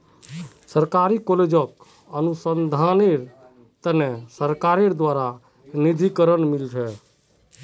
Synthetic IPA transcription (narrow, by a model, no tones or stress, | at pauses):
səɾkaɾikɔled͡ʒək | ənusənd̪ʱaneɾ | t̪ənesəɾkaɾeɾd̪waɾa | nid̪ʱikəɾənmiltʰɛ